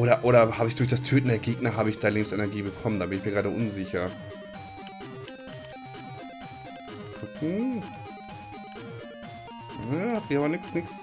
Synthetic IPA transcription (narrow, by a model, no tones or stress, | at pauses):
ʔoːɾɐʔoːɾɐhaːbəɪçd̥ʊɐç̬d̥astʰøːtn̩deːɐɡeːɡnɐɦaːbəɪçd̥aːleːbmsɛnɛɐɡiːbəkʰɔməndaːbɪnɪçmiɐɡʁaːɾəʔʊnzɪçɐ | kʰʊkŋ̩ | hatz̥iaːbɐnɪksnɪks